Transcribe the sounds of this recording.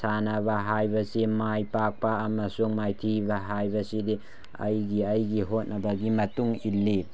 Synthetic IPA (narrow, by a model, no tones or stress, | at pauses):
sanɐβɐɦajbɐsimajpak̚pɐːmɐsuŋmajtʰibɐɦajbɐsidi | ɐ̰jɡiɐjɡiɦot̚nɐbɐɡimɐtuŋilːi